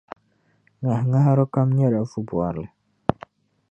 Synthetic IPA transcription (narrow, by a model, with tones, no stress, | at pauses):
ŋa˨ɦa˨ŋa˦ɦa˦ɾʊ˦ka˦m˦ɲe˦ɾa˨˦fu˦bu˨a˨ɾlɛ˨